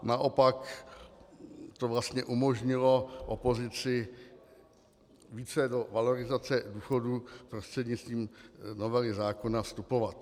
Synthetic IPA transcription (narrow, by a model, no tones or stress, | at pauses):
naʔo̞pak | t̪ovlast̪ɲɛʔumo̞ʒɲɪloʔopo̞zɪt͡sɪ | viːt͡sɛdo̞valoɾɪzat͡sɛduːxo̞dupɾost̪r̥ɛdɲɪt͡st̪viːmnovɛlɪzaːko̞nafst̪upo̞vat̪